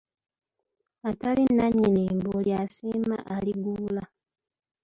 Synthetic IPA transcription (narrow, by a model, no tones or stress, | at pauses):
atalinːaɲːineːmboljasiːma̰ʔaliɡuːla